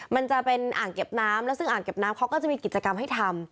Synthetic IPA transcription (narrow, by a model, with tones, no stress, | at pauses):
ma˧nt͡ɕa˨˩ʔpe˧nʔaː˨˩nke˨˩p̚naː˦˥mlɛː˦˥wsɯ˥˩ŋʔaː˨˩ŋke˨˩p̚naː˦˥mkʰa˦˥wkɔː˥˩t͡ɕa˨ʔmiː˧ki˨˩t̪̚t͡ɕa˧ka˧mɦa˥˩jt̪ʰa˧m